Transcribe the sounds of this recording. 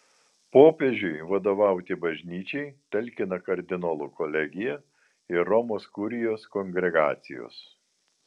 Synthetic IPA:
poːpʲeʒʲʊɪʋɐd̪oːʋɑˑʊt̪ʲɪbɐʒʲnʲiːt͡ʃʲɛɪt̪ʲɛlʲkʲɪnɐkɐɾʲd̪ʲɪnoːlˠuːkɔlʲɛɡʲɪjɛ | ɪɾɔmoːskʊɾʲɪjoːskoŋʲɡʲɾʲɛɡɑ̰ːt̪sʲɪjo̰ːs

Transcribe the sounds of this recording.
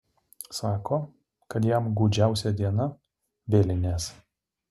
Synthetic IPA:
sɑːkoː | kɐt̪jæmɡuːd͡ʒʲæˑʊsʲɛd̪ʲiɛnɐ | ʋʲeːlʲɪnʲeːs

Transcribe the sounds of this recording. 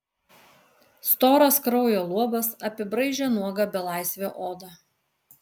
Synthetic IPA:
st̪oːɾɐskɾɒʊjoːlˠuɔbɐsɐpʲɪbɾɐɪʒʲɛnuɔɡɐbʲɛlˠɑˑɪsʲʋʲoːʔoːd̪ɐ

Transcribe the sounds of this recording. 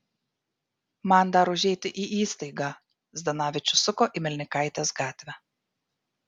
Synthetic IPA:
mɑˑnd̪ɑːɾoʊʒʲɛɪt̪ʲɪʔiːʔiːst̪ɐɪɡɑː | zʲd̪ʲɛnɑːʋʲɪt͡ʃʲʊsʊkoːʔiˑmʲɪlʲnʲɪkɑɪt̪ʲeːsɡɑːt̪ʲʋʲɛ

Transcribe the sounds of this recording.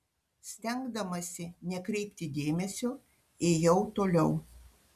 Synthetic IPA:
sʲt̪ʲɛŋɡd̪ɐmɐsʲɪnʲɛkɾʲɛɪpʲt̪ʲɪd̪ʲeːmʲɛsʲoː | eːjɛʊt̪oːlʲɛʊ

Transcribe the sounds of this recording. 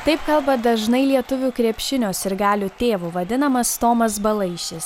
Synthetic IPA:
t̪ɐɪpkɐlˠbɐd̪ɐʒnɐɪlʲiɛt̪ʊʋʲuːkɾʲɛpʲʃʲɪnʲoːsɪɾɡɑːlʲʊt̪ʲeːʋuːʋɐd̪ʲɪnɐmɐst̪oːmɐs̬bɐlˠɐɪʃʲɪs

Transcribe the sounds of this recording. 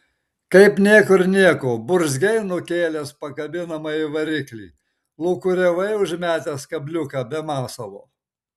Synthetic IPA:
kɐɪpnʲiɛkʊɾnʲiɛkobʊɾzʲɡʲɛɪnʊkʲeːlʲɛspɐkɐbʲɪnɐmɐiʋɐɾʲɪklʲḭː | lˠʊkʊɾʲɛʋɐɪʊʒʲmʲæːt̪ʲɛskɐbʲlʲʊkɐbʲɛmɑːsɐʋo̰ː

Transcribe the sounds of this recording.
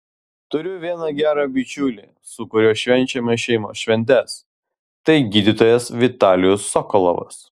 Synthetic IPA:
t̪ʊɾʲʊʋʲiɛnɐɡʲæːɾɐbʲɪt͡ʃʲuːlʲiː | sʊkʊɾʲoːʃʲʋʲɛnʲt͡ʃʲɛmʲɛʃʲɛɪmo̰ːʃʲʋʲɛnʲt̪ʲɛs | t̪ɐɪɡʲiːd̪ʲit̪oːjɛsʋʲɪt̪ɑːlʲɪjʊsːɔkɔlˠɔ̰ʋɐ̰s

